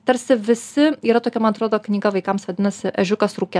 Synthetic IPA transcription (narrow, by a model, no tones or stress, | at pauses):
t̪ɐɾʲsʲɪʋʲɪsʲɪiːɾɐt̪oːkʲɛmɐnɐt̪ɾoːd̪oːknʲiːɡɐʋɐɪkɐmsʋɐd̪ʲɪnɐsʲɪʔɛʒʲʊkɐsɾuːkʲɛ